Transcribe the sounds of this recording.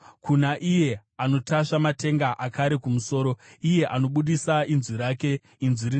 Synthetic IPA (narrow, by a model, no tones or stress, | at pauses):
kunaʔije̞ano̞tʰaʂamate̞ŋɡaʔakaɾe̞kumuso̞ːɾo̞ije̞ʔano̞ɓuɗisainziɾake̞ | inziɾin